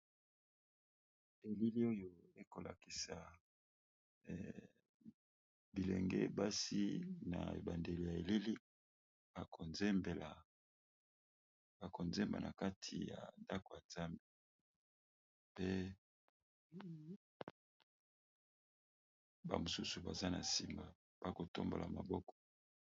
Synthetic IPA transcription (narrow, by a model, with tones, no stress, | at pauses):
e˨li˦li˦o˦jo˦˨e˦ko˨la̰˨ki˨sa˨ | bi˨lḛ˨ŋɡḛ˦ba˦si˦na̰˨ḛ˨ba˨nde˨li˨ja˨e˨li˦li̥˦ | a˨kʰo˨nze˦mbe˨la˨ | ba˨ko˨nze˦mba̰˨na˨ka˦tʰi˨ja̰˨nda˦ko˨ja˨nz̥a˦mbe˨ | pe˦ | ba̰˨mo˨su˦su˨ba˨za˦na˨si˨ma˨ | b̥a˨ko˨to̰˦mbo̰˨la̰˨ma˨bɔ˦kɔ̥˨